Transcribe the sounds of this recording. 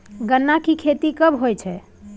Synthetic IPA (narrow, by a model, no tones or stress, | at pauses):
ɡənːakikʰet̪ikəbɦojt͡ʃʰɛ